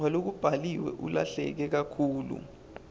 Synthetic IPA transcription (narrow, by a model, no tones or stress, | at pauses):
wɛlok̬ub̥ʱaliwɛ̰ʔṵla̰ɬɛ̰k̬ɛk̬akʰuːlṵ